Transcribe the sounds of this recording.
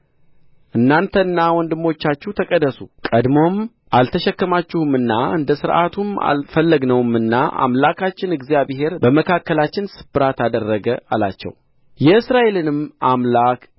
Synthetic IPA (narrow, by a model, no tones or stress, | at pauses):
ʔɨnːant̪ʰənːawɔnd̪ɨmːo̞t͡ʃːat͡ʃːuht̪ʰəkʼəd̪ːəsukʼəd̪mo̞m | ʔalt̪ʰəʃɛkːəmat͡ʃːɪhɨmɨnːaʔɨnd̪əsɨɾʔat̪ʰuma̰lfəlːəɡnəwmɨnːaʔa̰mlakʰat͡ʃːɪnɨɡzijaβɦe̞ɾbəməkʰakːəlat͡ʃːɪnsɨ̥bɨɾat̪ʰad̪ərːəɡəala̰t͡ʃːɛ̰w | jɛɨsɾaʔe̞lɨnɨmamlak